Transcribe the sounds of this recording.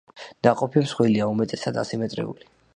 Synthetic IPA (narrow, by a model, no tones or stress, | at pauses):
naqʼɔpʰimsχwiliaumɛt̪ʼɛsad̪a̰simɛt̪ʼɾɛ̰ṵli